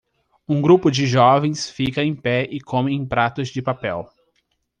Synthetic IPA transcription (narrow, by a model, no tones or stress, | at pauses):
ũɡɾupʊd͡ʒɪʒɔvẽj̃sfikɐẽj̃pɛɪkʰõmẽj̃ẽpɾat̪ʊzd͡ʒɪpapɛw